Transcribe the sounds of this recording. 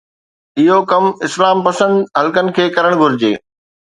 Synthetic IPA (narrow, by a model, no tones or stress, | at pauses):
ɪɦokɐmɪslaːmpɐsə̃nd̪ɦɐlkənɪ̆kʰeːkɐɾəɽ̃ɡʱʊɾɪd͡ʑḛː